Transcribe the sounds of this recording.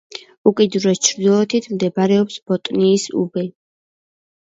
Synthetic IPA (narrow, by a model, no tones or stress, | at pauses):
ukʼid̪uɾɾɛst͡ʃʰɾd̪ilˠɔt̪ʰit̪ʰmd̪ɛbaɾɛɔpsb̥ɔt̪ʼniːsṵbɛ